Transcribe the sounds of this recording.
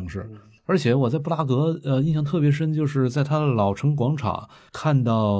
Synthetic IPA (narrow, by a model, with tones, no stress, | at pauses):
ŋʂɻ̩˥˩ | ə˞˧˥t͡ɕʰjɛ˨˧˥wɔ˨˩a˥˧ɪpu˥˩la˥kɤ˧˥ə˧i˥˩nɕjɑ˥˩ŋt̪ʰɤ˥˩pjɛ˧˥ʂ̬ə˥nt͡ɕjo˥˧ʊʂɻ̩˥˩t͡sa˥˩ɪt̪ʰa˥d̪ə˨lɑ˨˩ʊʈ͡ʂʰɤ˧˥ŋk̬wɑ˧˥ŋʈ͡ʂʰa̰˨˩˦ŋ | kʰa˥˧nt̪ɑ˥˩ʊ